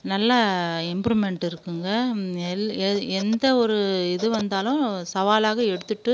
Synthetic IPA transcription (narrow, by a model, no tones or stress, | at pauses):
nɐlːɐɪmbɾimɛɳʈɪɾɯkːɯŋɡɐ | ɛnd̪ɐɔɾɯɪðɯʋɐnd̪aːlʊ̃sɐʋaːlaːɣɐɛɽɯt̪ːɯʈːɯ